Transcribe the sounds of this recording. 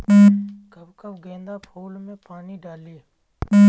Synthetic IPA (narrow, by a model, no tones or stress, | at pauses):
ɡʱəbkəbɡẽːnd̪aːpʰoːlmẽːpaːniːɖaːliː